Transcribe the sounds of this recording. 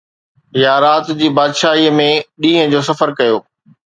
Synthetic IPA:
jaːɾaːt̪d͡ʑiːbaːd̪ʃaːɦimẽɗĩːɦə̃d͡ʑoːsɐfəɾkɐjoː

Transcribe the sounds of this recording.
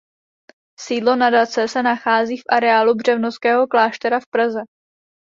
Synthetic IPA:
siːdlo̞nadat͡sɛsɛnaxaːziːfʔaɾɛaːlubr̝ɛvnoskɛːɦo̞klaːʃt̪ɛɾafpɾazɛ

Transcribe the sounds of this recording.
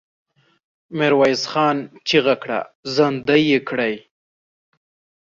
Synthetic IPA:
mɪɾwɑjsxɑnt͡ʃiɣakɽa̰zand̪ajekɽaj

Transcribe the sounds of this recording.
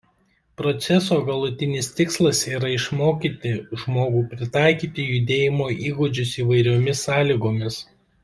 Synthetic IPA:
pɾɔt̪sʲɛsoːɡɐlˠʊt̪ʲɪnʲɪst̪ʲɪkslˠɐsiːɾɐɪʃmoːkʲiːt̪ʲɪʒmoːɡuːpʲɾʲɪt̪ɑˑɪkʲiːt̪ʲɪjʊd̪ʲeːjɪmoːʔiːɡʊd͡ʒʲʊsiːʋɐɪɾʲoːmʲɪsːɑːlʲiːɡoːmʲɪs

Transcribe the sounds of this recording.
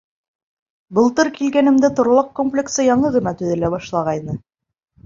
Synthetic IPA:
bɤ̆lˠt̪ɤɾkilɡænɘ̆md̪æt̪ŏɾlˠɑq̚komplʲeksɤjɑɴɤʁɤ̆nɑt̪ɵ̆ðɘ̆læbɑʃlˠɑʁɑjnɤ

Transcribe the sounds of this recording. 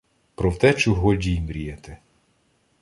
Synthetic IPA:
pɾɔwt̪ɛt͡ʃʊɦɔdʲimɾʲijɛt̪ɛ

